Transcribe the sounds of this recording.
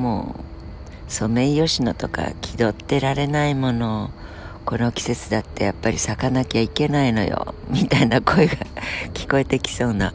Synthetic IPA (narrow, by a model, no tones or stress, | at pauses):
mo̰ː | so̞me̞ijo̞ɕino̞t̪o̞ka̰kʲʰid̪o̞t̪ːe̞ɾaɾe̞naimo̞no̞ | ko̞no̞kʲi̥se̞t͡sɨd̪at̪ːe̞japːaɾʲisakanakʲiaike̞naino̞̰jo̰mʲit̪ainako̞eɡakʲi̥ko̞e̞t̪e̞kʲi̥so̞ːna̰